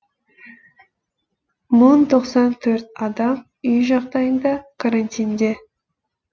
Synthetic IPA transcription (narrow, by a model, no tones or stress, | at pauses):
mʊnt̪ʰo̞qsɑnt̪ʰɵɾt̪ɑd̪ɑm | ʏjʒɑqd̪ɑjənd̪ɑkʰaɾanʲt̪ʲijnd̪e̞